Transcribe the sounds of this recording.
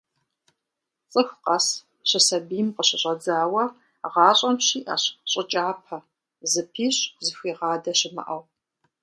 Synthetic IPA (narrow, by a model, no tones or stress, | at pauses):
t͡sʼɨxqɐs | ɕɪsɐbiːmqəɕɪɕʼɐd͡zaːwɐ | ʁɑːɕʼɐmɕiːʔa̰ːɕɕʼɪt͡ʃʼaːpʰɐ | zɨpʰiːɕzɨxʷiːʁɑːdɐɕɪmɐ̰ʔɐw